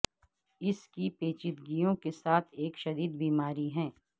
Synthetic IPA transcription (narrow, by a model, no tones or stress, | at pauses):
ɪskipeːt͡ʃɪt̪ɡijõkesaːt̪ʰeːkʃɐɾiːd̪biːmaːɾiɦɛ̃ː